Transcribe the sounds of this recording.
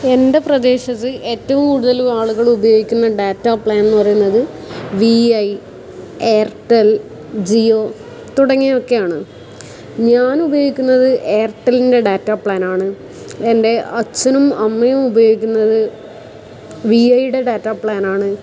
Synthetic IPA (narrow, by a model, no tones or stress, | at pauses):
e̞nde̞prɐd̪e̞ːɕɐt̪ːɨʔe̞ːtːɐʋumkuːɽuðɐlumaːɭuɣɐɭubɐjo̞ːɡikʲːunːɐɖaːtːapɭaːnnːɨpɐrɐjunːɐðɨʋiɐj | e̞ːrʈɐl | d͡ʑio̞ː | t̪uɽɐŋːio̞kːe̞jaːɳɨ | ɲaːnubɐjo̞ːɡikʲːunːɐðɨʔe̞ːrʈːɐlinde̞ɖaːtːaːpɭaːnaːɳɨ | e̞nde̞ʔɐt͡ɕːɐnumɐmːɐjumubɐjo̞ːɡikʲːunːɐðɨ | ʋiɐjuɽe̞ɖaːtːaːpɭaːnaːɳɨ